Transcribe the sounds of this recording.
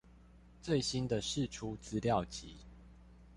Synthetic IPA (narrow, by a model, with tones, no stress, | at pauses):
t͡swe˥˨ɪɕi˦nd̪ə˨ʂɻ̩˥˨ʈ͡ʂʰu˦t͡sɹ̩˦ljɑ˥˨ʊt͡ɕi˨˦